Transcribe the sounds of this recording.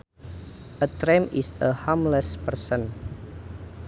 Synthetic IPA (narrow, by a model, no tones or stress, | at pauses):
ʔətɾɛmisəhamləspərsə̃n